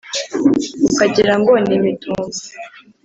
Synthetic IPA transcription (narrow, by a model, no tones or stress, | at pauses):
ukaɟiɾaŋɡonimituːŋzi